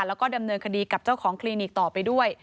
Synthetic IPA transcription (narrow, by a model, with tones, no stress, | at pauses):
lɛː˦˥wkɔː˥˩da˧mnɤː˧nkʰa˧diː˧ka˨˩p̚t͡ɕa˥˩wkʰɔː˩˦ŋkʰliː˧niː˨˩k̚t̪ɔː˨˩pa˧jdu˥˩əj